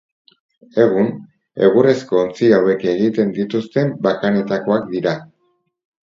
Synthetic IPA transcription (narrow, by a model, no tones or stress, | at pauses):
e̞ɣ̞un | e̞̰ɣure̞sko̞ːnt͡siawe̞ke̞ɣit̪e̞nd̪it̪ust̪e̞mbakane̞t̪ako̞akd̪iɾa